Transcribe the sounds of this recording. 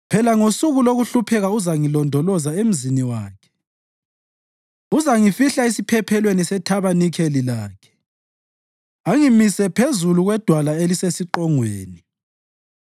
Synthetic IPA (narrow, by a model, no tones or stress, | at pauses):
pʰɛlaŋosuɣuloɣuɬupʰɛɣauzaŋilɔndʱɔlɔzaem̩ziniwaːkʰɛ̥ | uzaŋifiɬaisipʰɛpʰɛlwenisɛtʰaβanikʰelilaːkʰɛ̥ | aŋimisɛpʰezuluɣwɛd̥ʱwalaelisesiǃɔŋwḛːni